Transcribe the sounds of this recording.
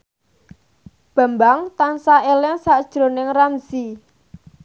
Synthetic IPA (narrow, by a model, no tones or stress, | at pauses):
b̥a̤mbaŋt̪ansaʔelɛŋsaʔd̥ʒ̥ɾo̤nɪŋramsi